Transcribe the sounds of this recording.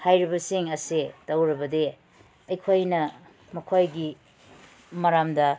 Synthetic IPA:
hajɾibɐsiŋɐsetɐwɾɐbɐde | ɐjkʰojnɐ | mɐkʰojɡi | mɐɾamdɐ

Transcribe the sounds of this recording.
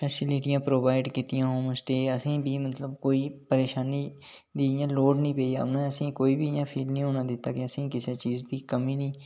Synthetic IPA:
pʰɛːsɪlɪʈijãːpɾoːbaːɪɖkiːt̪ɪjãːɦõːmsʈ̪eːəsĩːbʱiːmət̪ləbkoːiːpəɾeːʃaːniː | d̪iːɪjãːloːɖnĩːpeːija̰ʊnãːəsĩːkoːiːbiːɪjãːpʰiːlnĩːɦoːnaːd̪ɪt̪ːaːkeəsĩːkɪseːt͡ʃiːzd̪iːkəmiːnĩː

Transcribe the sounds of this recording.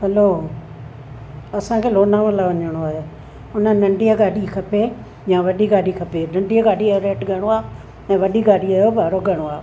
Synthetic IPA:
ɦɐloː | ɐsãkʰeːloːnãːmə̃laʋɐɲəɽ̃oaːɦe | ʊnənɐ̃ɳɖijaɡaːɖikʰɐpe | jãːʋɐɗiɡaːɖikʰɐpenɐ̃ɳɖiaɡaːɖiaoɾeːʈɡʱɐɽ̃oaː | ɛ̃ːʋɐɗiɡaːɽiaːjobʱaːɾoɡʱɐɽ̃oaː

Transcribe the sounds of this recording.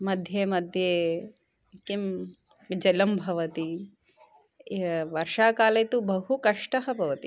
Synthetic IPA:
mɐd̪ʱjeːmɐd̪ʱjeː | kim | d͡ʒɐlɐmbʱɐʋɐt̪i | ʋɐɾʂaːkaːleːt̪ubɐɦukɐʂʈɐɦɐbʱɐʋɐt̪i

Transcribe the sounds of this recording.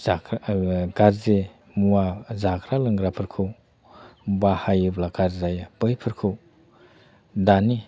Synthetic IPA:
a | ɡaɾze | muwazakʰɾalɯŋɡɾapʰɯɾkʰɯw | bahajɯblakaɾzajapɯjpʰɯɾkʰɯw | dani

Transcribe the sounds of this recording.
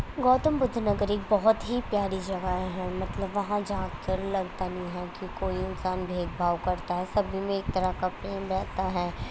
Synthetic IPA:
ɡɔːt̪əmbʊd̪ʱːnɐɡəɾeːk̚bɐɦʊt̪ɦipjaːɾid͡ʒɐɡaɦɛ̃mɐt̪ləbʋɐɦãd͡ʒãːɡkɐɾlɐɡt̪anɐɦĩɦɛkikoːiɪnsaːnbʱeːɡbʱaːʋkɐɾt̪aɦɛsɐbʱimẽeːk̚t̪ɐɾakapɾeːmɾɛːt̪aɦɛː

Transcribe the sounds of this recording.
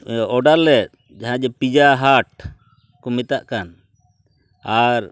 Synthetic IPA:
ɔɖalːɛt̪̚ | d͡ʒaɦãd͡ʒɛpid͡ʒaɦaʈ̚ | kɔmit̪aʔkan | aɾ

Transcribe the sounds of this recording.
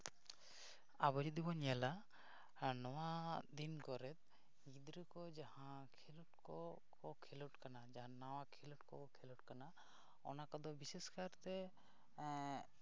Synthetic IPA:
abɔɾid̪ibɔɲala | nɔwad̪inkɔɾɛt̪̚ | ɡid̪ɾəkɔd͡ʒahã | kʰiluʈkɔ | kkɔkʰiluʈkanad͡ʒaɦãnawakʰiluʈkɔɔkʰiluʈkana | ɔ̰nakɔd̪ɔbiseskaɾt̪ɛ

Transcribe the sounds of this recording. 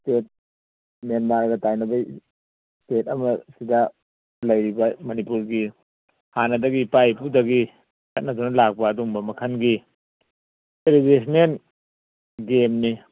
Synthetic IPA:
stet̚ | menbaɾɡɐtajnɐbaj | stet̚ɐmɐsidɐ | lɐjɾibɐmɐnipuɾɡi | hanɐdɐɡipajpudɐɡi | kʰɐt̚nɐdunɐlak̚pɐːduŋbɐmɐkʰɐnɡi | teleɡesnen | ɡemni

